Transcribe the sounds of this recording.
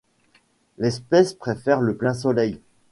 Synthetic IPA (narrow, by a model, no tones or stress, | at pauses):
lɛspɛspχefɛʁləplɛ̃s̬ɔlɛj